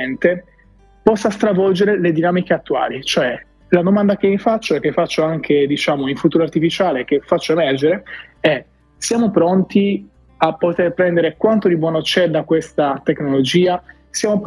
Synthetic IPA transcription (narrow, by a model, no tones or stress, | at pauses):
nt̪e | pɔsːast̪ɾavɔld͡ʒeɾeled̪inaːmik̟eat̪ːua̰ːlit͡ʃoɛ | lad̪omand̪ak̟emifat͡ʃːoɛkːefːat͡ʃːoaŋkʰed̪it͡ʃaːmoiɱfut̪uːɾoart̪ifit͡ʃaːlek̟efat͡ʃːoemɛrd͡ʒeɾeɛ | sjaːmopɾɔnt̪i | apːot̪erpɾɛnd̪eɾekwant̪od̪ibwɔːnot͡ʃɛd̪akwest̪at̪eknolod͡ʒiːa | sjaːmo